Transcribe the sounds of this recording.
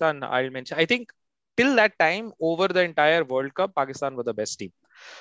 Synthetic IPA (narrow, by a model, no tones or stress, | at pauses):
t̪ãːna̰ɪlmɛ̃nʃə̃aɪt̪ʰɪ̃ŋk | ʈɪld̪æʈːãɪ̃moːʋəɾd̪əɛ̃ɳʈaɪəɾʋəːɾɖ̚kʌpːaːkɪst̪ãːnʋɔzd̪əbɛsʈʈĩːm